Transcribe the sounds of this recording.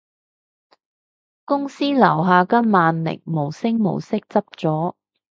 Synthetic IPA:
kʊ˥ŋsiː˥lɐ˨˩wɦaː˨˧kɐ˥maː˨nlɪ̰˨˩ŋ̚mo˨˩wsɪ˥ŋmo̰˨˩wsɪ˥k̚t͡sɐ˥p̚t͡sɔː˨˥

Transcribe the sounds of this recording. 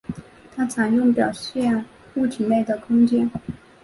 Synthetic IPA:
t̪ʰa˥t͡sʰa˧˥njʊ˥˩ŋpjɑ˨˩ʊɕjɛ˥˧n | u˥˩t͡ɕʰi˨˩me˥˩ɪd̪ə˩kʰʊ˥ŋt͡ɕjɛ˥n

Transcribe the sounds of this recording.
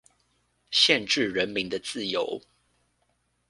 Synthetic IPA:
ɕjɛ˥˨nʈ͡ʂɻ̩˥˨ɻə˨˦nmi˨˦ŋd̪ə˨t͡sɹ̩˥˨jo˨˦ʊ

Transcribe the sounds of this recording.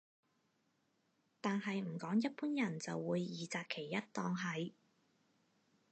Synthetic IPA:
t̪aː˨nɦɐ˨jm̩˨˩kɔː˨˥ŋjɐ˥t̚puː˥njɐ˨˩nt͡sɐ˨wːuː˨˧jːiː˨t͡saː˧k̚kʰe˨˩jːɐ˥t̚t̪ɔː˧ŋɦɐ˨˧j

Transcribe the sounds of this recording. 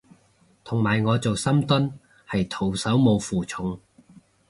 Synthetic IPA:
t̪ʰʊ˨˩ŋmaː˨˩jŋɔː˨˧t͡so˨wsɐ˥mt̪ʊ˥n | hɐ˨jt̪ʰo˨˩wsɐ˨˥wmo˨˧wfuː˨t͡sʰʊ˨˥ŋ

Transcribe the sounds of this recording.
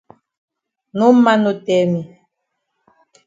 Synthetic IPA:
nu˦ma˦no˨tɛ˨mi˨

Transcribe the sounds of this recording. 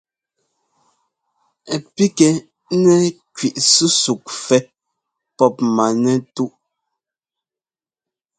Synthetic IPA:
ɛ˨pi˦kɛ˨ | nɛ˦ | kɥi˨ʔsu˦su˨k̚fɛ˦ | pɔ˦p̚ma˨nɛ˦tu˦ʔ

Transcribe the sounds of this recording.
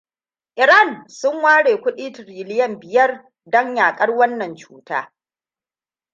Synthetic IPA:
ʔɪ˨ɾa˦˨nsʊ˦ŋwaː˦ɽeː˨kʷʊ˦ɗiː˦tɾiː˨lɪ˦jɐ˦mbɪ˨jɐ˦r | dɔ˦ɲjaː˨kʼɐ˦rwɐ˦nːɐ˨nt͡ʃuː˦ta̰ː˦

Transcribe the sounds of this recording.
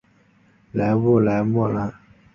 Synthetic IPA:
la˨˦bo˦˨la˨˦bɔ˦˨la˦

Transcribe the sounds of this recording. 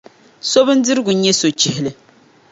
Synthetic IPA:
so˦bɨ˦n̩˦dɨ˦ɾɨ˦ɡʊ˨˦ɲɛ˦so˨t͡ʃɪ˦hɪ˨lɨ˨

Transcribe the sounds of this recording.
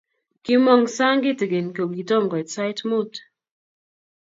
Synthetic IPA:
kɪ˦mɔ˨ŋsa˦ŋɡɪ˦te˨ɡe˨nko˨bɡi˨tɔ˦˨mkɔ˨tsa˦jtmu˦˨t

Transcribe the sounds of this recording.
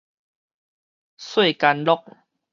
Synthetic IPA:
swe˥˨ka˧nlɔ˦k̚

